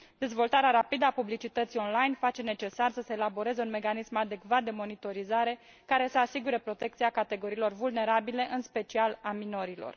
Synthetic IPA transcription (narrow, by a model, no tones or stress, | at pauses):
d̪e̞zvo̞lt̪aɾeaɾapid̪əapublit͡ʃit̪ət̪sio̞nlajnfat͡ʃe̞ne̞t͡ʃe̞sarsəse̞ːlabo̞ɾe̞ze̞unme̞kanismad̪e̞kvat̪̚d̪e̞mo̞nit̪o̞ɾizaɾe̞ | kaɾe̞səasiɡuɾe̞pɾo̞t̪e̞k̚t̪siakat̪e̞ɡo̞ɾiːlo̞rvulne̞ɾabile̞ʔɨnspe̞t͡ʃialamino̞ɾilo̞̰r